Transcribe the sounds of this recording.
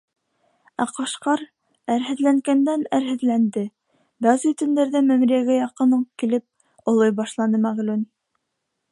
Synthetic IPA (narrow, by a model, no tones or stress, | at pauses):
æqɑʃqɑɾ | æɾɦɘ̆ðlæŋɡænd̪ænæɾɦɘ̆ðlænd̪ɘ | bæzit̪ɵ̆nd̪æɾðæmæ̆mɾijæɡæjɑqɤ̆nɤɴkilɘp̚ | ŏlˠojbɑʃlˠɑnɤmæʁlʉn